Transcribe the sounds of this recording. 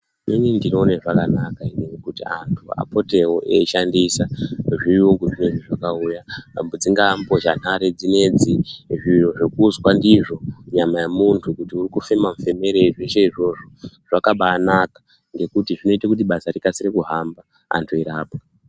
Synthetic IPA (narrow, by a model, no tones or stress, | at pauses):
nenindino̞ne̞ʐakanakaineikutḭa̰ntʰua̰po̞te̞oʔḛʃandisaʐiwokuʐineʐiʐakaujambud͡ziŋɡambo̞t͡ʃanaɾed͡zine̞d͡ziʐijo̞ʐekuzwandiʐo̞ɲamajemuntʰukutiurikufe̞maɱ̩fe̞me̞ɾe̞iʐeʃeiʐo̞ʐo̞ʐ̥akaɓaːnakḁ | ŋɡe̞kutiʐino̞itakut̬iɓasarikasirekuɦamba | a̰ntʰueɾaːpa